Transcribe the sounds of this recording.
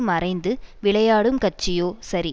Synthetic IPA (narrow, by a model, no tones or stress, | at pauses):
mɐrɐɪnd̪ɯʋɪɭɐjaːɽɯmkɐʈ̚t͡ʃːɪjoːsɐɾi